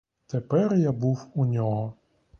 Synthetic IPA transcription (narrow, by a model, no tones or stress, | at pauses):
t̪epɛrjabuwunʲɔɦɔ